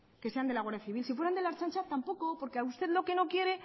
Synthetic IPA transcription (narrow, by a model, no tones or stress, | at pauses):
ke̞se̞and̪elaɣwaɾðjaθiβ̞ilsifwe̞ɾand̪elaɾt͡ʃant͡ʃat̪ampo̞ko̞po̞ɾkeaust̪e̞ðlo̞ke̞no̞kje̞ɾe̞